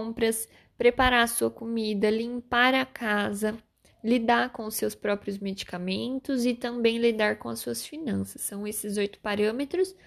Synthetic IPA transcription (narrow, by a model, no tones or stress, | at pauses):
pɾɐs | pɾepaɾaɐsuɐkomid̪ɐlĩmpaɾɐkʰazɐ | lid̪aɾkõʊsewspɾɔpɾijʊzmed͡ʒi̥kamẽnt̪ʊzɪt̪ɐ̃mbẽj̃lid̪aɾkõɐsuɐsfinɐ̃sɐ̥sːɐ̃w̃esɪzojt̪ʊ̥paɾɐ̃met̪ɾʊs